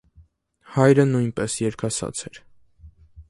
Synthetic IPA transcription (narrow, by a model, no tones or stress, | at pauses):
hɑjɾənujnpɛsjɛɾkʰɑsɑ̰t͡sʰɛɾ